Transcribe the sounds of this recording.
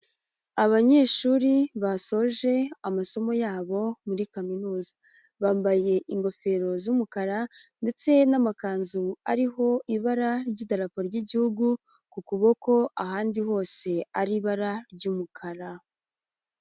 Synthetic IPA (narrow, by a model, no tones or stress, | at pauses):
aβaɲe̞ːʃuːɾiβaso̞ʒe̞amaso̞mo̞jaːβo̞muɾikaminuːzḁ | βaːmbaje̞ʔiŋɡo̞fe̞ɾo̞zuːmukaɾande̞t͡se̞namakaːnzuaɾiɦo̞ʔiβaɾaɾɟiːdaɾapoɾɟiɟihuɡu | kukuβo̞ko̞aɦaːndiɦo̞ːse̞aɾiβaɾaɾɟuːmukʰaɾa